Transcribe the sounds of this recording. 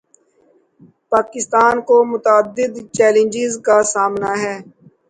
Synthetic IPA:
paːkɪst̪aːnkomʊt̪aːd̪ːɪd̪t͡ʃɛːlə̃nd͡ʒɪzkasaːmnaɦɛː

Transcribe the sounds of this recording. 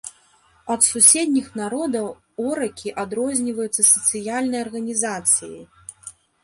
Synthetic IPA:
ɐt̪susʲɛd̪ʲnʲixnaɾɔd̪ɐw | ɔɾɐkʲiʔad̪ɾɔzʲnʲivɐjut̪sːɐsɐt̪sɨjalʲnɐjɐrɣɐnʲizat̪sɨjḭ

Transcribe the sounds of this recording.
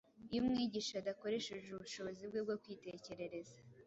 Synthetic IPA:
ijumŋiːɟiʃadako̞ɾe̞ʃeʒuβuʃo̞βozibɡeb̚ɡokwiːte̞ce̞ɾe̞ɾe̞zḁ

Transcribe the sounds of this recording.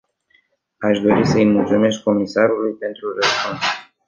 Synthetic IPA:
aʃd̪o̞ɾisəilmult̪sume̞st̪̚ko̞misaɾulujpe̞nt̪ɾuɾəzman

